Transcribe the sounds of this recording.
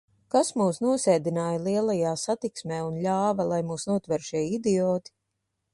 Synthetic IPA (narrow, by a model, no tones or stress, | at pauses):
kasmuːsnuɔsɛːd̪inaːjalˠiɛlˠajaːsat̪iksmʲeːunʎʲaːvɐlˠajmuːsnuɔt̪vɛɾʃiɛid̪iɔːt̪i̥